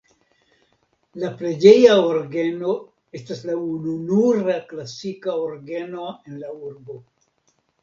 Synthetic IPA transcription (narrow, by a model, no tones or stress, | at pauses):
lapɾe̞d͡ʒe̞jaoɾɡe̞no̞ | e̞staslaununuɾaklasikaoɾɡeno̞e̞nlauɾbo̞